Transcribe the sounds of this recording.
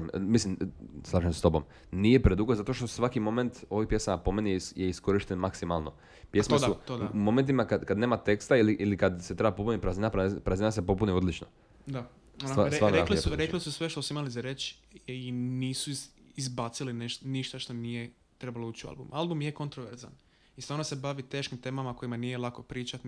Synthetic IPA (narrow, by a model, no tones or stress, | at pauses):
mmislimslˠaːʒemsest̪o̞bo̰m | nijepɾed̪uɡozat̪o̞ʃt̪osʋakimo̞me̞nt̪o̞ʋopjesaapo̞menijjeisko̞ɾiʃt̪enmaksimalˠno̞̰ | pjesmosut̪od̪aumo̞me̞nt̪̬imakad̪kad̪neːmat̪e̞kst̪ailiʔilikad̪set̪ɾe̞bapopunipɾazinapɾapɾazinas̬epo̞punio̞d̪lit͡ʃno̰ | d̪a | oaɾaɾneaklieuɾeklisusʋeʃt̪osuimalizaɾet͡ʃ | iniːsu | izbat̪silineʃniʃt̪aʃt̪o̞nije | t̪ɾe̞balouːt͡ʃiua̰lbṵmalˠbumjekont̪ɾoʋeɾza̰n | ist̪ʋaːɾnose̞baʋit̪e̞ːʃkimt̪e̞ːmamako̞imanijelˠako̞pɾiːt͡ʃat̪